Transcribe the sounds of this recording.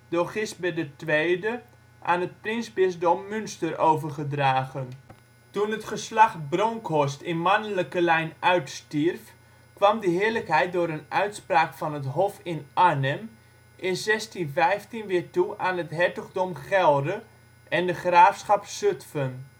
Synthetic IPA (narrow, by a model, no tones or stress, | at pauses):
doːχɪst̚bɛdətʋejdə | ʔa̰ːnət̚prɪnsbɪsdomːynstərowvərχədraːɣən | tunətχəslaχbroŋkʰɔstɪnmanələkəlɛjnœɥtstirf | kʋamdəɦɪələkɦɛjt̚dʊːɾənœɥtspraːkfɔnətɦɔfɪnanəm | ʔɪnzɛstinvɛjftinʋɪəɹtuʔaːnətɦɛɹtəɣdɔmχɛlˠdə | ʔɛndəχraːfsχɑpsøtfən